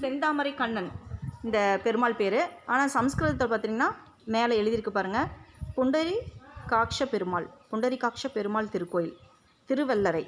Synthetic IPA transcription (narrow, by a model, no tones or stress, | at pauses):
ɛnd̪aːmɐɾɪkɐɳːɐnɪnd̪ɐpɛɾɯmaːlpeːɾɯaːnaːsɐmskɾɯðɐt̪ːɐpaːɾt̪ɪiŋɐnːaː | meːlɐɛɻɯðɪɾɯkːɯpaːɾɯŋɡɐpʊɳɖɐɾikaːkʂɐpɛɾɯmaːɭpʊɳɖɐɾikaːkʂɐpɛɾɯmaːɭt̪ɪɾɯkːoːjɪl | t̪ɪɾɯʋɛlːɐɾɐɪ